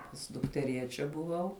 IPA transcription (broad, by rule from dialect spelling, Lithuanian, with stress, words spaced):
pɐs dʊktʲɛˈrʲiɛt͡ʃʲɛ bʊˈʋɐʊ